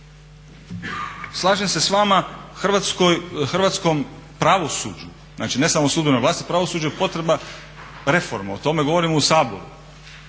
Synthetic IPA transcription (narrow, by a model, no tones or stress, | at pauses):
slˠaːʒemse̞sʋaːmaxr̩ʋat̪skojxr̩ʋaːt̪sko̞mpɾaʋo̞sṵːd͡ʒu | zna̰ːt͡ʃine̞samosuːd̪benojʋlaːst̪ipɾaʋo̞suːd͡ʑapo̞t̪ɾeba | ɾe̞fo̞̰ɾmaot̪o̞me̞ɡo̞ʋo̞ɾimousaːbo̞̰ɾu